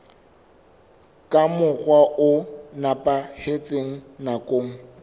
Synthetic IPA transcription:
kʼamʊχwaʔʊnapʼahet͡sʼeŋ̩nakʼoːŋ̩

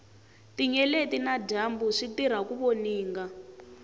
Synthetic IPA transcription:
tiɲɛletinaɟambuʂitiɾ̤akuβɔniːŋɡa

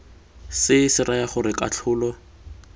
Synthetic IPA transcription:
sɪsɪrajaχʊɾɪkʼat͡ɬʰʊːlɔ

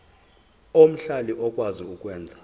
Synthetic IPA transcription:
om̩ɬaliʔɔkʼwaziukʼwɛːnd͡zʱa

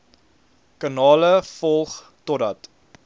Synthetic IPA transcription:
kɑnɑːləfɔlˠχ | tɔdɐt

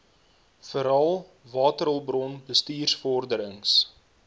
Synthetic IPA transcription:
fəɾɐlˠ | vɑːtəɾəlˠbrɔnbəstiːrsfɔrdəɾəŋs

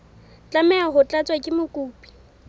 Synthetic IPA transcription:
t͡ɬʼamɛaɦʊt͡ɬʼat͡sʼwakʼɪmʊkʼuːpʼi̥

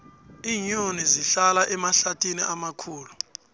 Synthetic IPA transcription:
iːɲoniziɬalaʔɛmaɬatʰʼiniʔamakʰuːlu

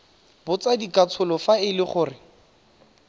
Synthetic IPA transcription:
bʊt͡sadikʼat͡sʰʊlɔfaɪlɪχʊːrɪ

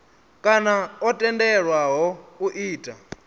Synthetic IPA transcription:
kʼanaɔtʼɛndɛɺwaɦɔuʔiːtʼa

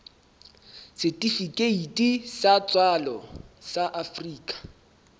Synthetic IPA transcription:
sɪtʼifikʼeitʼisat͡sʼwalɔsaʔafriːkʼḁ

